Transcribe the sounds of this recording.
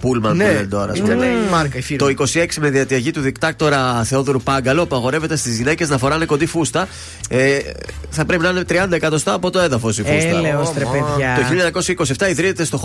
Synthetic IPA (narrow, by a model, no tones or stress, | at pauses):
pulmɐnent̪o̞ɾɐ̰ssɐɾkɐt̪o̞iko̞sie̞ksime̞ðiɐt̪iɐʝit̪uðikt̪ɐk̚t̪o̞ɾɐθe̞o̞ðoɾupɐŋɡɐlo̞puɐɣo̞ɾe̞ve̞t̪e̞st̪izʝine̞ce̞znɐfo̞ɾɐne̞ko̞nd̪ifust̪ɐ | eθɐpɾe̞pinɐinet̪ɾiɐnd̪ɐekɐt̪o̞st̪ɐːpo̞t̪o̞enðɐfo̞sifst̪ɐeosɾepeʝɐt̪oçiʎːɐɐɲɐko̞sçɐikosieft̪ɐiðɾinet̪e̞st̪o̞